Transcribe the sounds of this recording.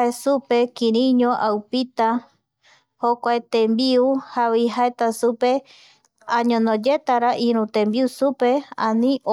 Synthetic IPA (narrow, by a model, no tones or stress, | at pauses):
esupe̞kĩɾĩɲõʔawpit̪a | hokʷaet̪ẽmbiuhawiɦaet̪asupe̞ | aɲõnõd͡ʒe̞t̪aɾaʔĩɾũt̪ẽmbiusupe̞ãnĩʔo